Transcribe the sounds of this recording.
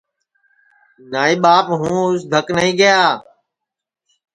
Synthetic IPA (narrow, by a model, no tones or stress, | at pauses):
naːiːɓaːpɦũːʊsd̪ʱəknəĩːɡɪjaː